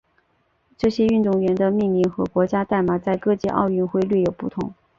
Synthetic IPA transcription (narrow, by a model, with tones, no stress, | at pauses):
ʈ͡ʂɤ˥˩ɕjɛ˥y˥˧nt̪ʊ˥˩ŋɥɛ˧˥nd̪ə˧mi˥˧ŋli˥˩ŋxɤ˧˥kwɔ˧˥t͡ɕja˥t̪a˥˩ɪma˨˩t͡sa˥˧ɪkɤ˥˧t͡ɕjɛ˥˧ʔɑ̰˥˧ʊy˥˧nxwe˥˧ɪly˥˩jo˨˩ʊpu˥˩t̪ʰʊ˧˥ŋ